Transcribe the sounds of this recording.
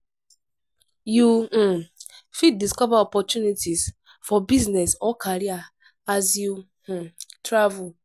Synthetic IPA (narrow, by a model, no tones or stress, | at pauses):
ju | fid̚ːiskɔvaɔpɔtunitiz | fɔbiznɛsɔkʰaɾia | azju | tɾavul